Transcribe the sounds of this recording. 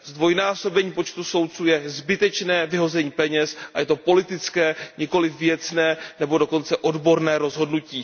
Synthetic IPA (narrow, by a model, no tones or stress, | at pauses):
zd̪vo̞jnaːso̞bɛɲiːpot͡ʃt̪uso̞wt̪̚t͡suːjɛzbɪt̪ɛt͡ʃnɛːvɪɦo̞zɛɲiːpɛɲɛsʔajɛt̪o̞po̞lɪt̪ɪt͡skɛːɲɪko̞lɪfvjɛt͡snɛːnɛbo̞doko̞nt͡sɛʔo̞dbo̞ɾnɛːɾo̞zɦo̞dnuciː